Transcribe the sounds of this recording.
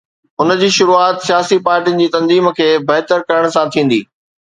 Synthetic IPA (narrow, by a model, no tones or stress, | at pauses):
ɦʊnə̆d͡ʑiːʃʊɾuaːt̪sijaːsipaːɾʈiənɪ̆d͡ʑiːt̪ɐ̃nziːm̆kʰeːbɐɦt̪əɾkɐɾəɽ̃̆sãt̪ʰĩːn̆d̪iː